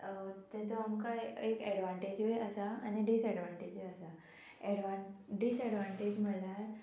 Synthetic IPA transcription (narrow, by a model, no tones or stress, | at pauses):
t̪jat͡sɔamkaekɛɽʋaɳʈed͡ʑʋeəsaa̰niɖisɛɽʋaɳʈed͡ʑʋeəsa | ɛɽʋaɖisɛɽʋãɳʈed͡ʑm̤əɭlaɾ